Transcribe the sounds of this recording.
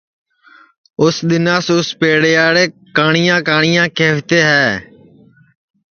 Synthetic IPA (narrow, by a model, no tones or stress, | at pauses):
ʊsɗ̪ɪnãːsʊspeːɽeːaːɽeːkaːɳɪjãːkaːɳɪjãːkeːʋt̪eːɦɛː